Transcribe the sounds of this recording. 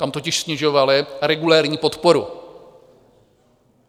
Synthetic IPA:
t̪amt̪ocɪʃsɲɛʒo̞valɪɾɛɡulɛːɾɲiːpo̞t̪po̞ɾṵ

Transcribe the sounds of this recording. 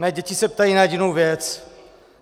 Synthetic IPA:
nɛːɟɛcɪsɛp̚t̪ajinajɛɟɪnowvjɛt͡s

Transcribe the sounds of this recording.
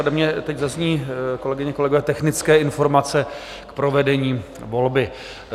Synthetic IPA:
adɛmɲɛt̪ɛczazɲiːko̞lɛɡɪɲɛko̞lɛɡovɛːt̪ɛxnɪt͡skɛːɪnfo̞ɾmat͡sɛ | kpɾo̞vɛdɛɲiː | vo̞lbɪ

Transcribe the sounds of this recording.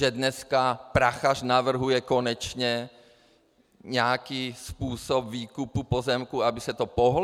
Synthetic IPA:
ɛdnɛskapɾaxaʃnavr̩ɦujɛkonɛt͡ʃɲɛ | ɲɛakiːspuːsobviːkupupozɛmkuabɪsɛt̪opoɦl

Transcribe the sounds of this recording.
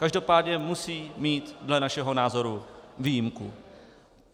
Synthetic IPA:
kaʒdo̞paːdɲɛmusiːmiːt̪dlɛnaʃɛɦo̞naːzo̞ɾuviːjimkṵ

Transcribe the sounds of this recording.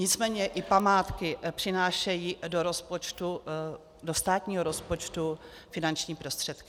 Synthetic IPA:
ɲɪt͡smɛːɲɛʔɪpamaːt̪kɪpr̝̥ɪnaːʃɛjiːdoɾospot͡ʃt̪u | do̞st̪aːt̪ɲiːɦoɾo̞spo̞t͡ʃt̪u | fɪnant͡ʃɲiːpɾo̞st̪r̥ɛt̪kɪ̥

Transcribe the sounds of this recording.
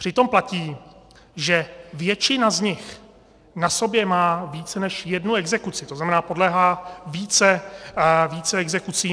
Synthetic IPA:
pr̝̥ɪt̪o̞mplaciː | ʒɛvjɛt͡ʃɪnazɲɪx | naso̞bjɛmaːviːt͡sɛnɛʃjɛdnuɛɡzɛkut͡sɪt̪oznamɛnaːpo̞dlɛːɦaːviːt͡sɛ | viːt͡sɛɛɡzɛkut͡siː

